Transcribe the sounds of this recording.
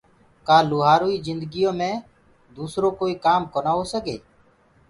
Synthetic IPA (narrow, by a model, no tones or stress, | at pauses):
kaːluːɦaːɾoːiːzɪnd̪əɡijõːmẽː | d̪uːsɾõːkoːiːkaːmkoːnaːɦoːsəɠeː